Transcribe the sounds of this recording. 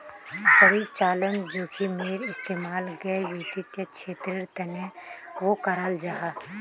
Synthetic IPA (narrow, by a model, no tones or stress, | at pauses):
sɐɾit͡ʃaːlənd͡ʒoːkʰimeːɾɪst̪eːmaːlɡəʋiːt̪it̪jɐkʃʰeːt̪ɾɪɾt̪ɐnẽʋokɐɾaːld͡ʒaɦa